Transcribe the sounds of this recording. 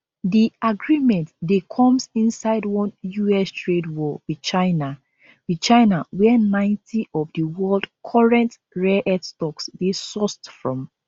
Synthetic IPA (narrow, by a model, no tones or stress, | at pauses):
diaɡɹimɛ̃ntdekʰɔ̃msĩnsaɪdwɔ̃njuɛstʰɹedwɔwi̥t͡ʃaɪna | wit͡ʃãɪnawɛnãɪ̃ntʰiʔɔvdəwɜldkʰɔɹɛ̃nt | ɹɛʔɛdstɔksdesɔstfɹɔ̃m